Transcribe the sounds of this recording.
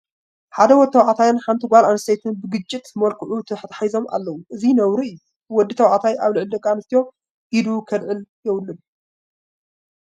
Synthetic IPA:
ħad̪ɐwɔd̪t̪ʰːɐwʕat̪ʰajanħant̪ʰiɡʷalʔanst̪ʰejt̪ʰɨnbɨɡɨt͡ʃʼːit̪mɐlkʰɨʕut̪ʰɐħt̪ʰḁħajzo̞ma̰lːɐwuʔɨzinɐwɾiɨjːu | wɔd̪ːit̪ʰɐwʕat̪ʰajʔaβlɨʕɨld̪ɐkʼanɨst̪ʰijo̞ | ʔid̪ukʰɐd̪ʕɨljɛwlːɨb

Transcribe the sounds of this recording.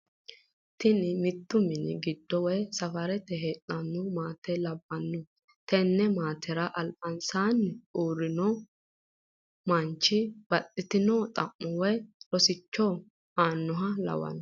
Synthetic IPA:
t̪ɪnɪmɪt̪ːʊmɪnɪ̰ɡɪd̪ːɔwɔjsɐfɐɾɛt̪ɛɦeːtʼːɐnːʊmaːt̪ɛlɐbːɐnːʊ | t̪ɛnːɛmaːt̪ʰɛɾɐʔɐlpʼɐnsaːnːɪuːɾːɪnɔ | mɐnt͡ʃːɪb̥ɐtʼːɪt̪ɪnɔt̪ʼɐmːʊwɔjɾɔsɪt͡ʃːɔː | aːnːʊɦɐlɐ̰wɐ̰n

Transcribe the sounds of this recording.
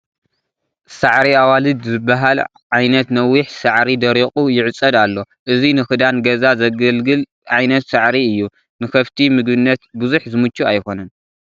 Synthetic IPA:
saʕɾiawalɨd̪zɨbːaɦal | ʕajnɐt̪nɐwiħsaʕɾid̪ɐɾiχʼujɪʕɨt͡sʼːɐd̪alːo̞ | ʔɨzinɨxɨd̪anɡɐzazɐɡɐlɡɨl | ʕajnɐt̪saʕɾiɨjːu | nɨkʰɐft̪ʰimɨɡbɨnːɐt̪buzuħzɨmut͡ʃːuajko̞nɐn

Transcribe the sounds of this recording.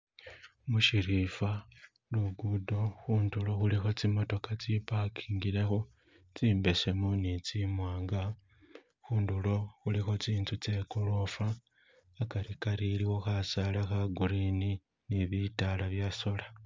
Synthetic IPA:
muʃiɾifa | luɡudo̞xuːndulo̞xulixo̞t͡simo̞to̞kat͡sipakʰi̥ːŋɡile̞xo̞ | t͡siːmbe̞se̞munit͡simwaːŋɡa | xuːndulo̞xulixo̞t͡siːntut͡sekulofaː | kaɾikaɾiliwo̞xasalaxaɡuɾini | niβitalaβjaso̞la

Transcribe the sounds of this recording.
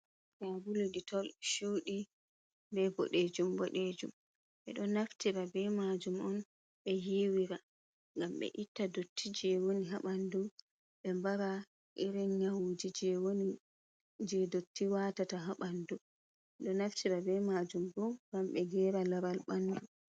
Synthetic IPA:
jabuliditɔlʃuːɗi | bɛbɔ̰ɗed͡ʒumbɔɗed͡ʒṵm | ɓɛ̰ɗɔnaftiɾabɛmad͡ʒumɔn | ɓɛjiwiɾa | ŋɡamɓɛ̰ʔitːadotʰːid͡ʒɛwoniɦaɓandu | ɓɛmbaɾa | ʔiɾinɲawd͡ʒid͡ʒɛwoni | d͡ʒɛdotːiwatataɦaɓandu | ɛɗɔnaftʰiɾabɛmad͡ʒumbɔɡamɓɛɡɛːɾalaɾalɓandu

